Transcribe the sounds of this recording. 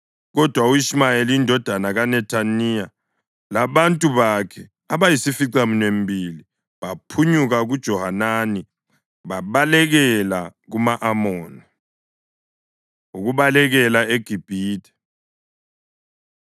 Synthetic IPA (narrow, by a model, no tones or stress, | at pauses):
ɣɔd̥ʱwauismajeliindʱɔd̥ʱanaɣanɛtʰanija | laβantʼuβakʰɛ | aβajisifiǀaminwembʱili | βapʰuɲuɣaɣud̥ʒ̥ʱɔhanani | βaβalɛɣɛlaɣumaʔamɔːni | uɣuβalɛɣɛlaeɡ̥ʱib̥ʱiːtʰʼɛ̥